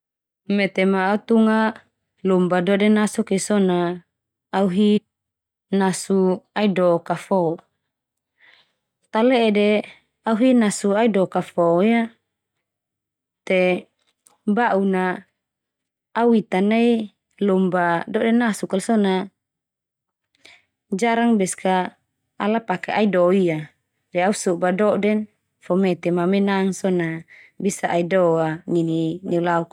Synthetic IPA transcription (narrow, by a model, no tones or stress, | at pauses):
mɛt̪ɛmaːut̪uŋa | lɔmbadɔdɛnasukisɔnaː | uɦi | nasuaidɔkafɔ | t̪aleʔːde | auɦinasuaidɔkafɔja | t̪ɛ | baʔuna | uit̪anai | lɔmbadɔʔdɛnːasukalsɔna | d͡ʒaɾaŋbɛskaː | lapakɛaidɔia | dɛausubadɔʔdɛn | fɔmɛt̪ɛmamɛnaŋsɔna | bisaʔaidɔanininɛulauk